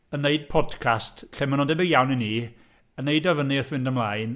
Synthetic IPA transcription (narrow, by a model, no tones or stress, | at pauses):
ənːeɨd̚pʰɔd̥kʰastɬɛmənɔndɛbɪɡjawnɪnːiː | ənejdɔvəniəθwɪndəmlˠajn